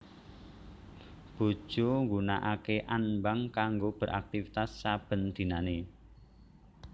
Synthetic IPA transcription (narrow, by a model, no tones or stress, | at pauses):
b̥o̤d̥ʒ̥o̤ŋɡuna̰ʔakeʔanmbaŋkaŋɡob̥ə̤ɾa̰k̚t̪ifit̪asːab̥ə̤nd̪̥i̤nane